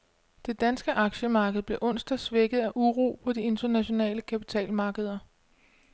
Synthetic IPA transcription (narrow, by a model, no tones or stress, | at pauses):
d̥e̝d̥ænsɡ̥əʔɑ̈ɡ̥ɕəmɑ̈ːɡ̥əð̞̩ˠb̥le̝ɐʔɔ̽n̰sd̥ɐsʋeɡ̥ð̞̩ˠæʔuʁṵːpʰɒ̽die̝nd̥ɐnæɕo̝nɛ̰ːləkʰæpit͡sʰɛ̰ːlmɑ̈ːɡ̥əð̞ˠɐ